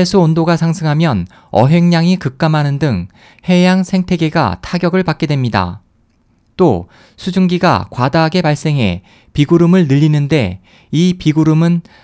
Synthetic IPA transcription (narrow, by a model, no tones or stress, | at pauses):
esʰuondoɡasʰaŋsʰɯŋɦamjʌn | ʌ̰ɦe̞ŋɲaŋikɯk̚k͈amɦanɯndɯŋ | he̞jaŋsʰe̞ŋtʰe̞ɡe̞ɡa̰tʰaɡjʌɡɯɭpak̚k͈e̞dwe̞mɲida̰ | t͈o | sʰud͡ʑuŋɡiɡa̰kwadaɦaɡe̞paɭs͈e̞ŋɦe̞̰ | piɡuɾumɯɭnɯʎːinɯnde̞ | ipiɡuɾumɯn